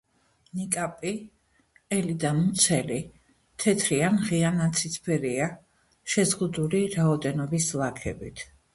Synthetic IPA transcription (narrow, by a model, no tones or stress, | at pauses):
nikʼapʼi | ɛlid̪amut̪sʰɛli | t̪ʰɛt̪ʰɾianʁianat̪sʰit̪sʰpʰɛɾia | ʃɛzʁud̪uliɾaɔd̪ɛnɔbislˠakʰɛ̰bit̪ʰ